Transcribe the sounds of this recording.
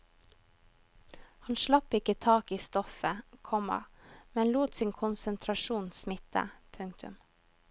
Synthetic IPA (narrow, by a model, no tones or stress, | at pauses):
hɑnʃlɑpɪkət̪ʰɑːkiːst̪ɔfəkʰɔmɑ̰mɛnluːt̪siːŋkʰʊnsənt̪ʰɾɑʃuːnsmɪt̪ə̰pʰʉŋkt̪ʰʉ̰m